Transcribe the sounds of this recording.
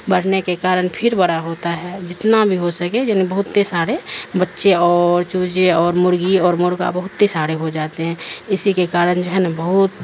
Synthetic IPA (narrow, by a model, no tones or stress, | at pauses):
bəɽ̤nekekaːɾənpʰɪɾbɐɽaɦoːt̪aɦɛːd͡ʒɪt̪nabʱiɦosəkejaːnibɐɦʊt̪ːesaːɾebətːʃeɔːɾt͡ʃuːd͡ʒeɔːɾmʊɾɡiɔːɾmʊɾɡa̰bɐɦʊt̪ːesaːɾeɦod͡ʒaːt̪eɦɛ̃ːɪsikekaːɾənd͡ʒoɦɛnɐbəɦʊt̪